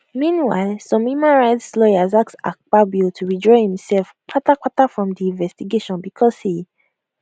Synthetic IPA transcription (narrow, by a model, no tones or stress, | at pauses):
mĩnwa̰ɪlsɔ̃mhjumãnɹaɪtslɔjazaksa̰k͡pabiotʰuɹidɹɔɪhĩmsɛlfk͡patak͡patafɹɔ̃mdiĩnvɛstiɡeʃɔ̃nbikʰɔsi